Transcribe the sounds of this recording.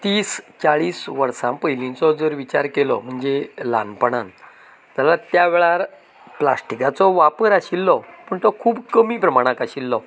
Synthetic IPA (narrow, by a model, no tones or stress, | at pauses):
t̪iːst͡saɭiːsʋəɾsãmpəɦjlĩnt͡sɔd͡zəɾʋit͡ɕaɾkelɔ̰m̤əɳd͡zela̰npəɳan | d͡z̪alat̪jaʋɛɭaɾ | plasʈikat͡sɔʋapəɾaɕilːɔpəɳt̪ɔkʰuːbkəmiːpɾəmaɽ̃akaɕilːɔ